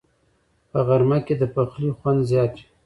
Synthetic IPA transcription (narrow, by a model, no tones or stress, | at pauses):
pəɣaɾmaked̪əpaxlixwand̪zjɑt̪i̥